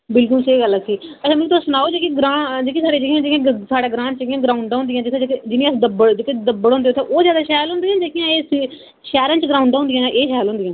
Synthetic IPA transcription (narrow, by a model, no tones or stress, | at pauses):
bɪlkʊlseiɡələsiːət͡ʃʰãːmt̪osʊnaːoːd͡ʒeːkiɡɾãːd͡ʒeːkisaːɽeːd͡ʒijãːd͡ʒɪkjãːsaːɽeːɡɾãːt͡ʃekijãːɡɾaːuɳɖ̃ːnd̪ɪjãːd͡ʒɪt̪ʰːd͡ʒked͡ʒɪnĩːəsd̪əbəɽd͡ʒekẽd̪əbəɽõːnd̪eːʊt̪ʰːẽːʔoːzjaːd̪aːʃɛːlɦʊ̃nd̪iːãːd͡ʒeːkʰijãːeːs | ʃɛːɾãːnt͡ʃɡɾaːʊ̃ɳɖõʊ̃nd̪ɪjãːʔeːʃɛːlɦõːnd̪ɪjãː